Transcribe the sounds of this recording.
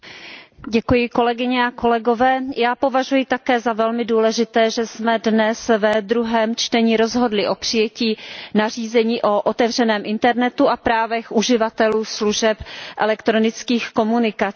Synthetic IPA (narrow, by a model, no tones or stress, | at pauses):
ɟɛkujɪko̞lɛɡɪɲɛako̞lɛɡo̞vɛːjaːpo̞vaʒujɪt̪akɛːzavɛlmɪduːlɛʒɪt̪ɛːʒɛsmɛdnɛsvɛd̪ɾuɦɛːmt͡ʃt̪ɛɲiɾo̞zɦo̞dlɪʔo̞pr̝̥ɪjɛciːnar̝iːzɛɲiːʔo̞ʔot̪ɛvr̝ɛnɛːmʔɪnt̪ɛɾnɛt̪uʔapɾaːvɛxʔuʒɪvat̪ɛluːsluʒɛpʔɛ̰lɛkt̪ɾo̞nɪt͡skiːxko̞munɪka